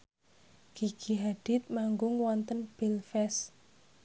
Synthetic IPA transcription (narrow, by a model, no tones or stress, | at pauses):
ɡ̥iɡ̥iɦaɖ̥i̤t̪̚maŋɡʊŋwɔnt̪ənb̥ilfɛs